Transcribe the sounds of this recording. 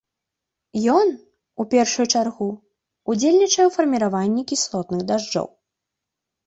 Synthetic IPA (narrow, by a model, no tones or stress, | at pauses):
jɔn | upʲɛrʂujut͡ʂarɣu | ud͡zʲelʲnʲit͡ʂɐjɛwfɐrmʲiɾavanʲːikʲislˠɔt̪nɨɣd̪aʐd͡ʐɔ̰w